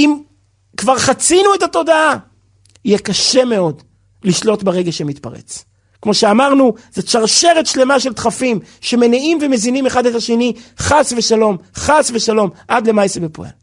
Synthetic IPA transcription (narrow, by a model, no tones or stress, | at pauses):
im | kvaʁχat͡sinuetato̞daa | ijɛkaʃe̞me̞o̞d | liʃlo̞tbeʁe̞ɡaʃemit̪pa̰ʁḛt͡s | kmo̞ʃeamaʁnuzet͡ʃaʁʃe̞ʁet̪ʃle̞maʃe̞lt̪χafimʃe̞me̞niimve̞me̞zinime̞χadetaʃe̞niχasve̞ʃalo̞mχasveʃalo̞mʔad̪le̞majsebepo̰ḛl